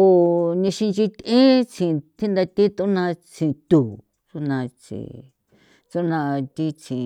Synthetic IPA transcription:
o˧nĩ˧ʃĩ˧nt͡ʃi˧t̪ẽ˦t͡ʃĩ˧˨˧t̪ʰi˦nd̪a˧t̪i˦t̪u˦nã˧t͡ʃĩ˧˨˧t̪uː˨ | t͡ʃu˦nã˧t͡ʃḭ˧ | t͡su˦nã˧t̪i˦t͡ʃĩ˨˧

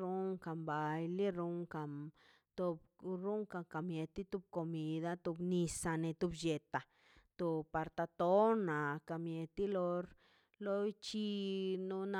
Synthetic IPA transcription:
ɾu˧ŋka˨mba˨jli˦ɾu˧ŋka˨m | t̪o˧bɾu˦ŋka˧ka˨mje˧t̪i˦t̪u˧b̚ko˧mi˧d̪a˦t̪u˧bni˧sa˧ne˧t̪u˧bje˨t̪a˨ | t̪o˧pa˧ɾt̪a˧t̪o˦na˨ka˨mje˧t̪i˦lo˧ɾ | lo˦jt͡ʃi˦nu˧na˧

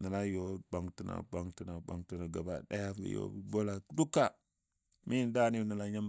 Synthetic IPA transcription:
na˨la˦jo˨ba˨ŋti˦na̰˨ba˨ŋti˦na˨ba˨ŋti˨na˨ɡa˨ba̰˨ɗa̰˦ja˦fḭ˨jo̰˦bbo˦la˨kdu˦kːa˦ | mi˦n˦da˦ni˦˨ni˨la˦ɲa˦m

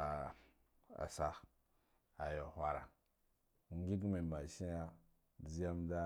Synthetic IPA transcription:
a˨ | a̰˨sa˦ | a˨jo˨hʷa˦ɾa˨ | ŋ˦ɡi˦ɡmi˨ma˨ʃi˦ja˦ | d͡zi˦ja˦mda˦

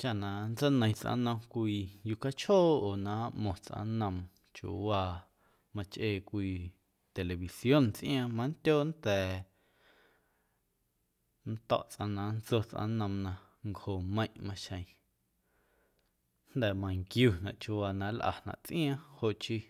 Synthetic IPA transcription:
t͡ʃa˦˨nã˨nt͡sə˦nə̃˧j̃t͡sʔã̰˧˦nə̃˧mkʷiː˧ju˧ka˦t͡ʃhoː˦˨oː˨nã˨˦ʔmõ˨t͡sʔã̰˧˦nə̃˧m | t͡ʃṵ˧˨waː˧ | mã˧t͡ʃʔeː˧˨kʷiː˧ | t̪e˨le˨βi˨sjo˦˨nt͡sʔĩ˦ãː˧mã˧˦ntʲoː˦nt̪ɛː˨ | nt̪ɔ̰˦ʔt͡sʔã̰˧nã˨˦nt͡so˧t͡sʔã̰˧nə̃˧mnã˧ | ŋkho˨mə̃˧j̃ʔmã˧ʃə̃˧j̃ | n̥d̪ɛ˨mã˧˨ŋkjuː˧˨nã˨ʔt͡ʃu˧waː˧nã˧lʔa̰˨nã̰˨ʔt͡sʔij̃ãː˦ho˧ʔt͡ʃi˧

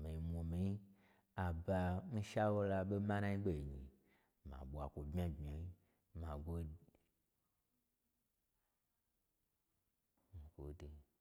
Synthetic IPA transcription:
me˨i˨mo˨me˨ji˦ | a˨ba˧mi˦ʃa˦wo˦la˧ɓe˦mã˦nã˦ɲi˦ɡ͡be˦i˨ɲḭ˨ | mã̰˨ɓo˨a˨kʷo˨bmi˦a˦ɡ͡bi˨a˨ji˦ | mã˨ɡo˦˨ | ɡo̰˨de˨

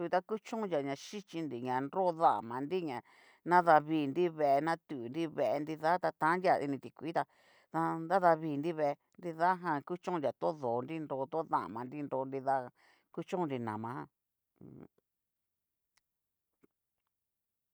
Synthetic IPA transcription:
t̪a˦ku˦t͡ʃõ˦˧nja˨ɲã˧ʃi˦t͡ʃi˧nd̪i˨ɲã˨nɾo˦˧ða̰˦˨mã˨˧ndi˦ɲã˨ | nã˦ða˧βiː˧˨nd̪i˦βe˧˨e˧nã˦t̪u˨ndi˦βe˧ʔe˧ni˧ða˦t̪a˧t̪ã˧˦ndja˧ḭ˧nĩ˧t̪i˨kʷi˨˦t̪a˧ | ða˧nd̪a˦ða˧βiː˧˨˧nd̪i˦βe˧˨e˧ | nd̪i˧ða˦ɦã˧ku˦t͡ʃõ˦˧a˨t̪o˦ðoː˨˧nɾi˦nɾo˧t̪o˦ða̰˦˨mã˨nɾi˦nɾo˧ndi˧ða˦˧˨ | ku˦t͡ʃõ˦ũ˦˧nɾi˧nã̰˨mã˧˦ã˧˨

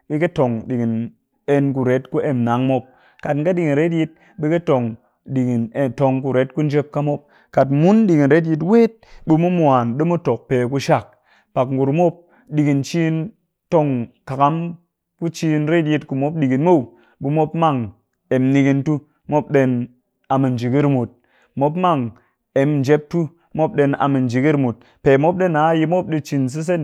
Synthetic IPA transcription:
ɓi˧ke˦to˨ŋɗi˨ɡi˨n | e˧nku˨ɾe˨˦tku˦ʔe˨mna˨˦ŋmo˧p̚ | ka˨tŋka˦ɗi˨ki˨nɾe˦t̬ji˧t̚ | ɓi˦ke˦to˨ŋ | ɗi˨ɡi˨ne˨to˧ŋku˨ɾe˨˦t̚ku˦n̩˦d͡ʒe˦p̚ka˦mo˦p̚ | ka˨tmu˦nɗi˨ki˨nɾe˦t̬ji˧t̬we˦t̚bi˧mu˦mʷ˦a˨nɗi˦mu˦to˨k̚pe˨ku˧ʃa˦˨k̚ | pa˨kŋ˨ɡu˨ɾmo˦p̚ | ɗi˨ki˨nt͡ʃi˦n | to˧ŋka˨ka˦m | ku˦t͡ʃi˧nɾe˦t̬ji˧tku˨mo˦p̚ɗi˨ɡi˨nmo˦˨w | ɓu˧mo˦pma˦ŋ | e˨mni˧ɡi˧ntu˦ | mo˦p̚ɗe˧n | a˨mi˨nd͡ʒi˨ɡi˦ɾmu˨t̚ | mo˦pma˦ŋ | e˨mnd͡ʒe˦p̚tu˦ | mo˦p̚ɗe˧na̰˨mi˨nd͡ʒi˨ɡi˦ɾmu˨t̚ | pe˨mo˦p̚ɗe˦na˨˦ji˧mo˦p̚ɗi˧t͡ʃi˨ns̬i˦s̬e˦n

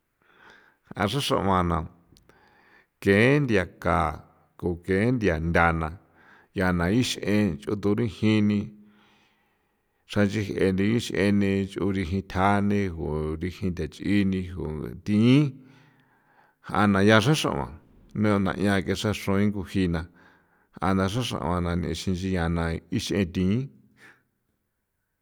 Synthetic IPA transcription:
hʔã̰˧ʂã˦ʂã̰˧ʔmã˨nã˨ | kẽ˨˦nd̪ja˧ka˨ | ko˨kẽ˨˦nd̪ja˨nd̪ʲa˧nã˧ | ja˧nã˨i˦ʃʔẽ˧t͡ʃʔṵ˧t̪u˧ɾĩ˦hĩ˦˧nĩ˧ | ʂã˧t͡ʃi˧he˧nd̪ĩ˧i˦ʃʔḛ˧nĩ˧t͡ʃʔu˧ɾi˧ɦĩ˧t̪ʲʰa˦nĩ˧ho˨ɾi˧hĩ˧t̪a˨t͡ʃʔi˦nĩ˧ɦo̰˨t̪ĩ˧ĩ˦ | hʔa̰˧nã˧ja˧ʂ̬ã˦ʂã̰˧ʔã̰˨ | nũ˦˧nã̰˧ʔj̃ã˧ke˧ʂa˦ʂõ˧ĩ˦ŋɡu˧hi˧nã˧ | hʔa̰˧nã˧ʂ̬ã˦ʂã̰˧ʔã˧nã˧nḭ̃˧˨˧ʃĩ˧nt͡ʃi˧ja˧nã˧i˦ʃʔẽ˧t̪ĩ˧ĩ˦

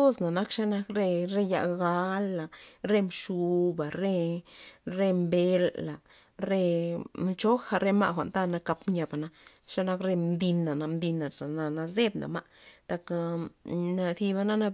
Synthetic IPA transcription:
o˦sna˨na˦kʂa˦na˧kɾe˧ɾe˧ja̰˧ɡa˧˦la˨ɾe˧mʂu˧ba˨ɾe˧ | ɾe˧mbe˧lːa˨ | ɾe˧mt͡ʃo˦xa˧ɾe˧ma̰˧ʔxʷa̰˨nt̪a˦na˧ka˧pmɲa˧ba˨na˧ʂa˦na˧kɾe˧md̪i˧nːa˨na˧md̪i˧nːa˨ʂa˨na˧na˧s̬d̪e˦bna̰˨ma˧ʔt̪a˧kna˧θi˧ba˧na˦na˧

